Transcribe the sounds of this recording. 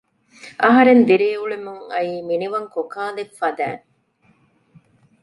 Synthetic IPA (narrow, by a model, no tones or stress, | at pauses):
ʔɐɦɐɾend̪iɾeːuɭemuŋɐ̰jiːminiʋɐŋkokaːlekfɐd̪æ̰ːŋ